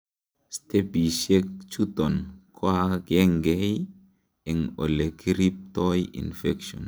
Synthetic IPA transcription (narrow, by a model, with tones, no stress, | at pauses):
ste˦bi˨ʃe˦kt͡ʃu˦tɔ˨nkʰo˦a˦kɛ˦ŋɡɛ˦ | ɛ˨ŋo̰˨le˨ki˦ɾi˦p̚tɔ˦jḭ˨nfɛ˦kʃɔ̰˨n